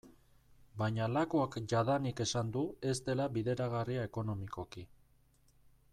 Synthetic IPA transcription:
bajɲalakoakʝaðanike̞sand̪ue̞st̪e̞laβiðe̞ɾaɣ̞ariae̞ko̞no̞miko̞ki

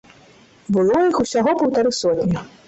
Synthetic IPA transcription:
bɨlˠɔjixusʲaɣɔpɐwt̪aɾɨsɔt̪ʲnʲɐ

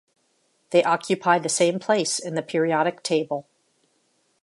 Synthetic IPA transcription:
ðeɪʔɑkʰjɨpʰaɪd̪̚ðɨsẽɪ̃mpʰl̥eɪsɨ̃nðɨpʰɪɹiɑɾɨk̚tʰeɪbəl̩ˠ

